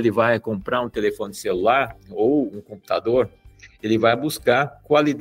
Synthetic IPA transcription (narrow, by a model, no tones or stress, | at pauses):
lɪvajkõmpɾaɾũt̪elefõnɪd̪ɪ̥selulaɾowũkõmpu̥t̪ad̪oɾelɪvajbuskaɾkwalid̪